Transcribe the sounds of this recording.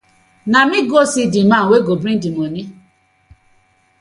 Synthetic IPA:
namiɡosidimaweɡobɾĩn̩dimoni

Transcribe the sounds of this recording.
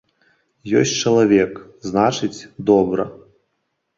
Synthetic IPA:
jɔsʲtʲt͡ʂɐlˠavʲɛk | znat͡ʂɨt͡sʲd̪ɔbɾɐ̰

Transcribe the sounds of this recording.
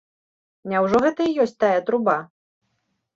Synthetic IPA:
nʲawʐɔɣɛt̪ɐijɔsʲt͡s̚ʲt̪ajɛt̪ɾuba

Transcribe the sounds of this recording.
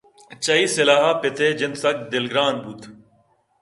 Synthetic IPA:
t͡ʃəiːsɪlaːɦaːpɪt̪ʰeːd͡ʒɪnsɐk̚d̪ɪlɡɾaːnbʱut̪ʰ

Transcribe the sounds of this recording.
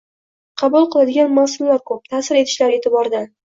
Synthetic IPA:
qʰɑbʊlˠqʰɨlˠad̪ɪɡʲanmasɪllaɾkʰɵp̚t̪ʰaːsɪɾe̞t̪ʰɪʃlaɾe̞t̪ʰɪbɒɾd̪an

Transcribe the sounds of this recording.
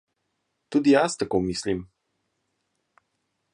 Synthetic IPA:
t̪ud̪ijast̪akomislim

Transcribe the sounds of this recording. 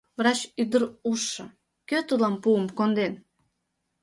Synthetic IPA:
vrɑt͡ɕyd̪əɾuʃːɤ̆ | køt̪ulɑmpuəmkond̪en

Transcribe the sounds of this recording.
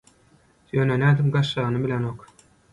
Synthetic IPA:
jønænæːd̪imɡɑʃːɑːɣnɯbilʲenok

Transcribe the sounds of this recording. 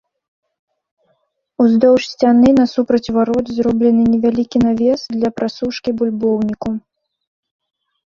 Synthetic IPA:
uzd̪ɔwʂsʲt͡sʲanɨnɐsupɾɐt͡sʲvaɾɔd̪zrɔblʲɛnɨnʲɛvʲalʲikʲinavʲɛsd̪lʲɐpɾasuʂkʲibulʲbɔwnʲiku

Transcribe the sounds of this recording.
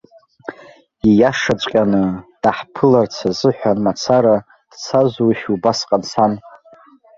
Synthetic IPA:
ijaʂat͡ʃʷʼqʲʼanɨd̥aħpʰɨlart͡sʰazɨħᶣʷanmat͡sʰaɾa | d̥t͡sʰazuiʃubasqʼansan

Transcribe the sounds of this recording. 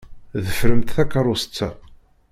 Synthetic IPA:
ðəfɾəmt̪θækːəɾˤʊsə̥t͡sːæ

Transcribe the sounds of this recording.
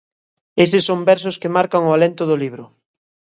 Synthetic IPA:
esɪsːombɛɾs̬ʊskemaɾkaŋʊalent̪ʊðʊliβɾʊ

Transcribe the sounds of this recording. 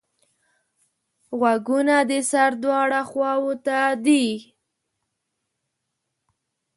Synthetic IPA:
ɣwaɡunad̪əsaɾd̪wɑɽaxwɑwot̪ad̪i

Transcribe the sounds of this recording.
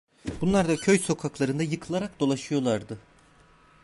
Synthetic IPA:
bunlˠaɾd̪acʰøjso̞kʰaklˠaɾɯnd̪ajɯkʰɯlˠaɾak̚d̪o̞lˠaʃɯjo̞lˠaɾd̪ɯ

